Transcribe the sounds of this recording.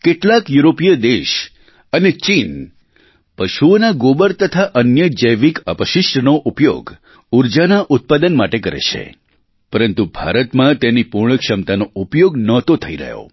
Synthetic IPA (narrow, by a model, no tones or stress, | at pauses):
keʈlakjuɾopijəd̪eʃ | ənet͡ʃin | pəʃuonaɡobəɾt̪ət̪ʰaʔənjəd͡ʒəjʋikəpəʃɪʃʈənoʔupjo̰ɡ | uɾd͡ʒanaʔʊt̪̚pad̪ənmaʈekəɾḛt͡ʃʰḛ | pəɾənt̪ubʱa̰ɾət̪mãt̪enipuɾɳəkʃəmt̪anoupjoɡnət̪ot̪ʰəiɾə̰ɦjo̰